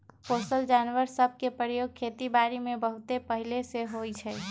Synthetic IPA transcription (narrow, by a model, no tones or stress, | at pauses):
posəld͡ʒanʋəɾsəb̚ʱkepɾəjoɡ̚kʰet̪ibaɾimẽbəɦut̪epəɦileseɦot͡ʃʰɛ